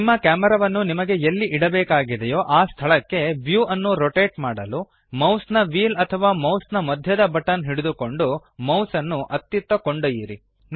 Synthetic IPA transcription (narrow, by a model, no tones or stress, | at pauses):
mːɐkaːmɛɾɐʋɐnːunimɐɡe̞elːiʔiɽɐbɛːkaːɡid̪ejoːʔaːst̪ʰɐɭɐkːe̞ʋjuːʔɐnːuɾoʈeːʈmaːɽɐlu | mɐwsnɐʋiːlɐt̪ʰɐʋaːmɐwsnɐmɐd̪ʱjɐd̪ɐbɐʈɐnɦiɽud̪uko̞ɳɖumɐwsɐnːuʔɐt̪jut̪ːɐko̞ɳɖujiːɾḭ